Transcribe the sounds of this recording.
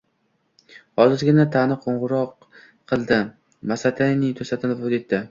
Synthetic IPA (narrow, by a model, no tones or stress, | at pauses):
hɒzɪɾɡʲɪnat̪ʰanɪqʰoɴʁʊɾɒqʰː | ɨlˠd̪ɪ | masat̪ʰanɪt̪ʰɵsat̪ʰɪnɪpod̪et̪ːɪ